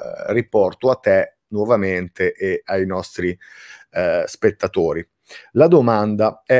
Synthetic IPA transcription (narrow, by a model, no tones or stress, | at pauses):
ripɔrt̪oat̪ːɛ | nwɔvament̪eʔeajnɔst̪ɾi | spet̪ːat̪oːɾi | lad̪omand̪aɛ